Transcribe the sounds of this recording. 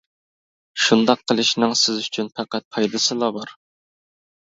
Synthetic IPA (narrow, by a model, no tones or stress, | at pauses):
ʃund̪ɑqʰːəlˠɨʃnɨŋsɪzyt͡ʃʰynpʰæqæt̪̚pʰɑjd̪ɨsɨlˠɑbɑɾ